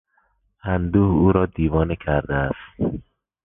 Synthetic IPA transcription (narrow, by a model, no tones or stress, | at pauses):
ænd̪uːhuːɾɒːd̪iːvɒːnecʰæɾd̪eæst̪